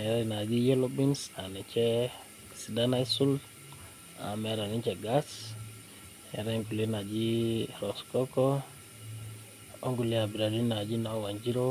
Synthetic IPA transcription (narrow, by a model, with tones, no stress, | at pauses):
mɛ˨ɾaina˨d͡ʒi˦jɔ˦lɔbinsa˨ni˨t͡ʃɛ | sidana˦isu˦l | a̰˨mɛ˨ɾa˨ni˦t͡ʃɛɡas | ɛ˨ɾɛŋku˨li˦na˨d͡ʒiɾɔskɔkɔ | o˦ŋɡu˨lia˨bi˨ɾa˨di˦na˨d͡ʒi˦na˨wa˨ɲd͡ʒi˦ɾo